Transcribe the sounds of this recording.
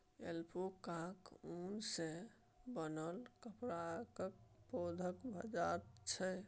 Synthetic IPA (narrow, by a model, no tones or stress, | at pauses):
elpʰokãkunse | bənəlkəpɾakəkpod̪ʱəkbʱə̰d͡ʒaɾt͡ʃʰəj